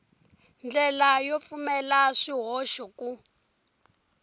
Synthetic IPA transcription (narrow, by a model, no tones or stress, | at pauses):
nd͡ɮɛlajɔfumɛlaʂiɦɔʃɔku